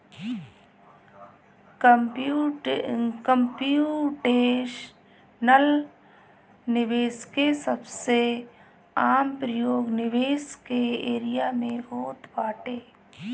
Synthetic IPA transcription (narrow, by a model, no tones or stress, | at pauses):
kəmpuʈeːʃ | nəl | nɪʋeːskesəbse | aːmpɾəjoːɡnɪʋeːskeeːɾɪjamẽɦoːt̪baːʈeː